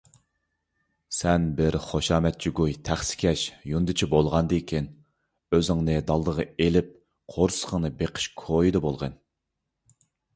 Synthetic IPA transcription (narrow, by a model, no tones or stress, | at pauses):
sɛnbɪɾχoʃɑːmɛt̪̚t͡ʃiɡujt̪ʰæχsɪ̥kʲʰɛʃjund̪ɨt͡ʃʰibolˠʁɑnd̪ɨkʲʰin | øzɪŋnɨd̪ɑlˠd̪əʁəelɪp̚ | qʰoɾsə̥qʰəŋnɨbeqʰə̥ʃkʰojid̪ɨbolˠʁən